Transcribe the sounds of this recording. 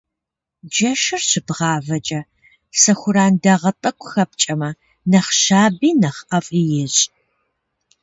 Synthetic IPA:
d͡ʒɐʃɪrɕɪbʁɑːvɐt͡ʃʼɐ | sɐxʷʊɾaːndɐʁɐtʼɐkʷʰʼʊxɐp̚t͡ʃʼɐmɐ | nɐχʃaːbiːnɐχɐfʼijɪɕʼ

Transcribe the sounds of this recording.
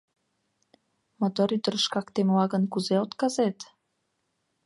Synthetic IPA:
mot̪oɾyd̪əɾəʃkɑkt̪emlɑɣənkuzeot̪kɑzet̪

